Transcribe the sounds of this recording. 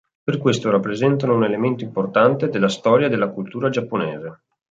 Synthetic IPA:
perkwest̪oɾapːɾezɛnt̪anounelement̪oimport̪ant̪ed̪elːast̪ɔːɾjad̪elːakult̪uːɾad͡ʒapːonɛːze

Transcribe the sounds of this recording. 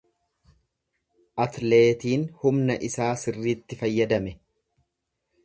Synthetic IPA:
ʔɐt̪le̞ːt̪iːnhʊmnɐʔɪsaːsɪrːiːt̪ːɪfɐjːɐd̪ɐmɛ

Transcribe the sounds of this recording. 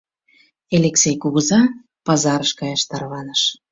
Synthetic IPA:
elʲeksʲejkuɣuzɑ | pɑzɑɾəʃkɑjɑʃt̪ɑrβɑnəʃ

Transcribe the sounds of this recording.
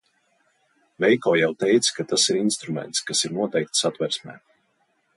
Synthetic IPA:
vɛjkɔːjawt̪ɛjt̪skat̪asiɾinst̪ɾumɛ̰nt̪skasiɾnuɔt̪ɛjk̚t̪sat̪vɛɾsmʲɛ̰ː

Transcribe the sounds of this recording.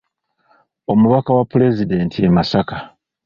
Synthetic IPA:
o̞muβakawapːule̞zide̞ntʰiemasaka

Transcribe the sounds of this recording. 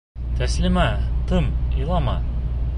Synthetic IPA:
t̪æslɘmæt̪ɤmilˠɑmɑ̰

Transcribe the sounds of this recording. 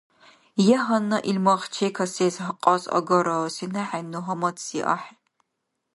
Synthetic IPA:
jɛɦɐnːɐʔilmɐʁt͡ʃʰeːkʰɐseːzɦɐqʼɑsɐ̰ɡɐɾɐsinɐħanuɦɐmɐtʰsiʔa̰ħ

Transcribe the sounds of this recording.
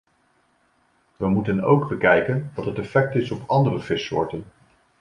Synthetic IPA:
ʋəmutəno̰wɡbəkɛjkənʋɑtɦətɛfɛk̚tɪsɔpɑndərəvɪsʊ̰ːɹtən

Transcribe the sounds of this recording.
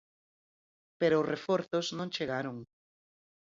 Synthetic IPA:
peɾoʊsrefoɾθʊznõŋt͡ʃeɣaɾoŋ

